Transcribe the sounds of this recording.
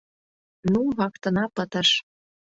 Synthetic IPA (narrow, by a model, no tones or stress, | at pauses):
nuβɑkt̪ɤ̆nɑpət̪ə̆ʃ